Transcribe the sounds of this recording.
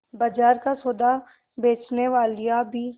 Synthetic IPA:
bad͡ʒaːɾkasoːd̪a | beːt͡ʃneʋaːlijabʱiː

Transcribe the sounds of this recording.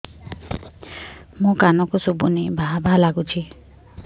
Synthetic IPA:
mũkanɔkosubunebʱabʱalaɡut͡ʃʰi

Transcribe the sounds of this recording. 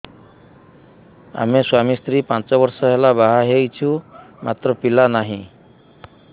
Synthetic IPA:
a̰meswamist̪ɾipãnt͡ʃɔbɔɾsɔɦelabaɦaɦejt͡ʃʰumat̪ɾɔpilanaɦĩ

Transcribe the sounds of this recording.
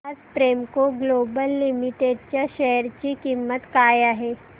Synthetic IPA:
ɐspɾeːmkoɡloːbəlːɪmɪʈeɖ̚t͡ʃaʃɛɦəɾt͡ʃikimːət̪kaːjaɦɛː

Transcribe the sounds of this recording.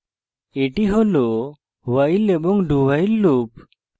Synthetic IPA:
eʈiɦɔlɔ | wailːɛbɔŋɖuwailːup

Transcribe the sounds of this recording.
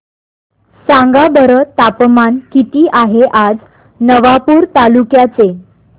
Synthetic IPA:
sãŋɡabəɾət̪apmankit̪iːʔaɦeʔad͡z | nəʋapuːɾt̪alukjat͡se

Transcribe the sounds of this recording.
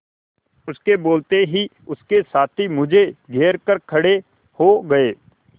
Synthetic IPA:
ʊskeboːlt̪eɦiʊskesaːt̪ʰimʊd͡ʒʱeɡʱeːɾkɐɾkʰɐɽe | hoɡɐeː

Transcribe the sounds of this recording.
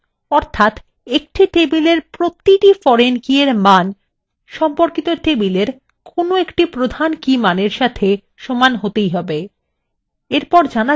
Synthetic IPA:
ɔɾt̪ʰat̪ | ek̚ʈiʈebileɾpɾot̪ːiʈifɔɾenkieɾman | ʃɔmpoɾkit̪oʈebileɾ | kʰonoekʈipɾod̪ʱankimaneɾʃat̪ʰe | ʃomanɦot̪ejɦɔbe | eɾpɔɾd͡ʑana

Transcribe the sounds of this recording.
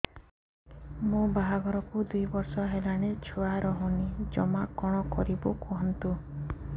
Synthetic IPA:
mũbaɦaɡɔɾɔkud̪ujbɔɾsɔɦelaɽ̃et͡ʃʰuaɾɔɦunid͡ʒɔmakɔɽ̃ɔkɔɾibukɔɦɔnt̪u

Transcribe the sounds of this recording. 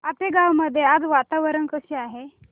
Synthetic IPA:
apeɡawməd̪ʱːjead͡zʋat̪aʋəɾəɳkəɕeaɦe

